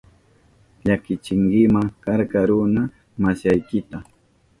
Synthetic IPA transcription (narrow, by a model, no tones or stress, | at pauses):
ʎakɪt͡ʃɪŋɡɪmakaɾkaɾʊna | masajkɪt̪a